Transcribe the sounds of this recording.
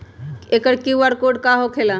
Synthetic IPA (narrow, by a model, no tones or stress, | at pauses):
ekəɽkiʋaɽkoɖkaɦokʰela